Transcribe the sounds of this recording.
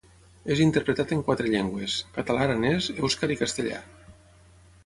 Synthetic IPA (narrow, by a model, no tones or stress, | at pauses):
ezint̪eɾpɾet̪at̪eŋkwat̪ɾeʎeŋɡweskat̪alaɾanezewskaɾikast̪eʎa̰